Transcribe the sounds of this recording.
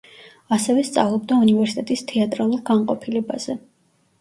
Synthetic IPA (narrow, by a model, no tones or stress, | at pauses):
asɛvɛst̪sʼa̰vlˠɔb̚d̪aunivɛɾsit̪ʼɛt̪ʼist̪ʰɛat̪ʼɾalˠuɾɡanqʼɔpʰilɛba̰z̥ɛ